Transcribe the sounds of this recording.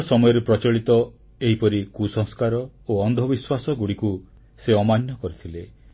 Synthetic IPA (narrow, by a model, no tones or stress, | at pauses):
sɔmɔjɔɾepɾɔt͡ʃɔɭit̪ɔ | eɦipɔɾikusɔ̃ŋ̃skaɾɔoɔnd̪ʱɔbiswasɔɡuɽiku | seɔmanjɔkɔɾit̪ʰile